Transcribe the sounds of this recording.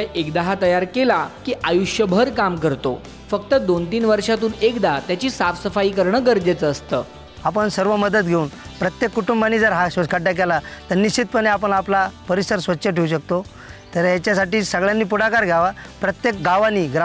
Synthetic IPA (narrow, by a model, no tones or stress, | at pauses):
ʔekd̪aɦat̪əjaɾkelakiːʔajuɕjəbʱəɾkamkəɾt̪o̰ | fəkt̪əd̪ont̪iːnʋəɾʂat̪uːnekd̪aɦat̪jat͡ɕiːsafsəfaiːkəɾɳəːɡəɾd͡ʑet͡səːst̪ə̰ː | apəɳsəɾʋəməd̪ət̪̚ɡʱeuːnpɾət̪jekːuʈumbanːid͡zəɾɦaɕəkaɖak̬elat̪əɾnːiɕt͡ɕit̪̚pəɳeapəɳaplapəɾisəɾsʋətːɕəʈʰeuɕək̚t̪o | t̪əɾjat͡ɕjasaʈiːsəɡɭjanːiːpuɽakaɾɡʱjaʋapɾət̪jek̚ɡaʋanːiːɡɾ